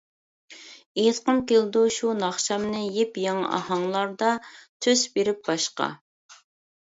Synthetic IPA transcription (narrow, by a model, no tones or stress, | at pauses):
et̪qəmkʲeld̪uʃunɑχʃɑmnɪjepjɑŋɑ̰ʔɑ̰hɑŋlˠɑɾd̪ɑt̪ʰøzbeɾɪp̚bɑʃqɑ̰